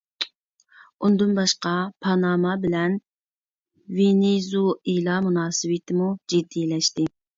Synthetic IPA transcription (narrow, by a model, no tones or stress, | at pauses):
und̪ɨnbɑʃqɑpʰɑnɑːmɑbɪlɛn | venizuilˠɑmunɑːsɨwɪt̪ʰɪmud͡ʒid̪ːilɛʃt̪ɪ